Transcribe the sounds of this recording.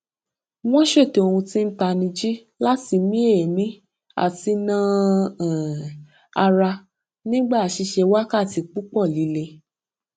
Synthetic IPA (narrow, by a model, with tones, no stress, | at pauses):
w̃ɔ̃˦ʃe˦˨te˨o˧hũ˧ti˦n̩˦ta˧nĩ˧d͡ʒi˦ | la˦ti˧mĩ˦e˦˨mĩ˦ | a̰˦˨ti˧nãː˦˨ | a˧ɾa˧ | nĩ˦ɡ͡ba˦˨a˨ʃi˧ʃe˧wa˦ka˦˨ti˧k͡pu˦k͡pɔ˦˨li˨˦le˧